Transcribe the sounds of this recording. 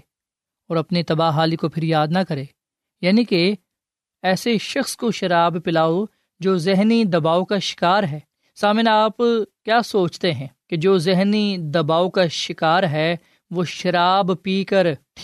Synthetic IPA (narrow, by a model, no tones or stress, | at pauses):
ɔːɾɐpnit̪ɐbaːɦaːlikopʰɪɾjaːd̪nɐkɐɾeː | jaːnike | ɛːseʃɐxskoʃɐɾaːbpɪlaːo | d͡ʒoːzɪɦnid̪ɐbaːokaʃɪ̥kaːɾɦɛː | saːmɪnaːpkjaːsoːt͡ʃt̪eɦɛ̃ːked͡ʒoːzɪɦnid̪ɐbaːokaʃɪkaːɾɦɛː | ʋoːʃɐɾaːbpiːkəɾt̪ʰː